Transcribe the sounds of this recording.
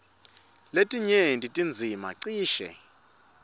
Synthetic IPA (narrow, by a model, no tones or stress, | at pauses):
letʼiɲendʼitʼind͡zʱima̰ǀiːʃɛ̰